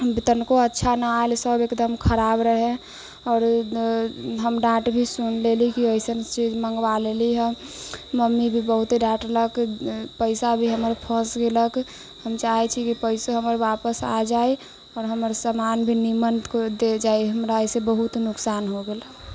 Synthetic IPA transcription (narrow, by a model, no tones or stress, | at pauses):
bit̪ənkoətːʃʰanaaelsəbekd̪əmkʰəɾabɾəɦẽ | ɔːɾ | ɦəmɖaʈbʱisunlelikiəisət͡ʃid͡ʒməŋɡʋaleliɦɛ̃ | məmːibʱibəɦut̪eɖaʈləkpəɪsabʱiɦəməɾpʰə̃sɡelək | həmt͡ʃaɦɛt͡ʃʰikipəɪsoɦəməɾʋapəsa̰d͡ʒai | ɔːɾɦəməɾsəmanbʱinimənt̪kod̪ed͡ʒaiɦəmɾaəsebəɦut̪nʊksanɦoɡela